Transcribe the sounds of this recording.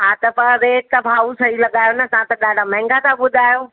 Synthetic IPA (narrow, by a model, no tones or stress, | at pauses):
ɦaːt̪ɐpɐʋeːt̪ɐbʱaːusɐɦilɐɠaːjonɐsãt̪ɐɗaːɖʱamɛ̃ːŋɡat̪ʰãɓʊd̪ʱaːjoː